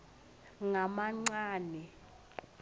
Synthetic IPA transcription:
ŋamaŋ͡ǀaːnɛ

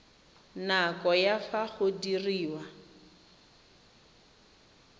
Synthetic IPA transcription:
nakɔjafaχʊdiriːwa

